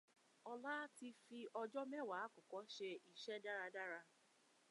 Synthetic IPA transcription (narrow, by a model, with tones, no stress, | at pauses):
ɔ˧la˦ti˧fi˧ʔɔ˧d͡ʒɔ˦mɛ˦˨wa˨˦kɔ˨kɔ˨˦ʃe˧i˨ʃɛ˦da˦ɾa˧da˦ɾa˧